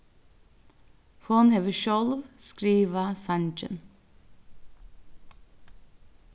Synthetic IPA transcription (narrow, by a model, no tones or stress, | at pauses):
foːnheʋəʃɔlʋskɾiːʋəsɑɳd͡ʒə̰n